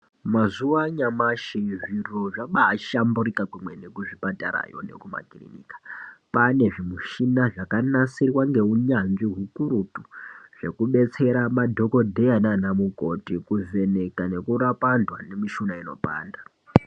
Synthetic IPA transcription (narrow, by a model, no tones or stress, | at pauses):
mazuʋaɲamaʃiʐiroʐaɓaːʃamburikakwumwe̞ne̞kuʐipataɾa̰jo̰ne̞̰kuma̰kirḭnḭkḁpane̞ʐimuʃinaʐakanasirwaŋɡe̞uɲanʐiɦukuɾutuʐ̥e̞kuɓe̞t͡se̞ɾamadʱo̞ko̞dʱe̞ananamuko̞tikuve̞ne̞kane̞kuɾapandwane̞miʃunaino̞̰pa̰ːnda